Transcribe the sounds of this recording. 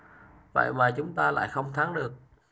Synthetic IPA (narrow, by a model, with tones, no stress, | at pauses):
və̰˧˨jvaː˨˩t͡ɕʊ˨˦ŋ͡mt̪aː˧la̰ː˧˨jxə˧wŋ͡mt̪ʰaː˨˦ŋɗɨ˨˩ək̚